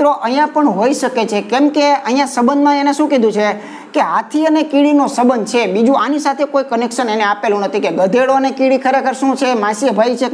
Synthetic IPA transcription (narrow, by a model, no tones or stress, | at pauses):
ɾoʔəɦijãpəɳɦoiʃəket͡ʃʰekɛmkeəɦijãsəbənd̪mãeneʃũkɛd̪ũt͡ʃʰe | keɦat̪ʰiənekiɽinosəbənt͡ʃʰebid͡ʒũanisat̪ʰekoikənekʃəneneapelũnət̪ʰikeɡəd̪ʱeɭoənekiɽikʰəɾekʰəɾʃũt͡ʃʰemaʃibʱait͡ʃʰe